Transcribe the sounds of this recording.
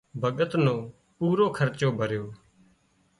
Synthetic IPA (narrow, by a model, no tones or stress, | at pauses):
bʱəɠət̪nõː | puːɾoːkʰəɾt͡ʃoːbʱəɾjoː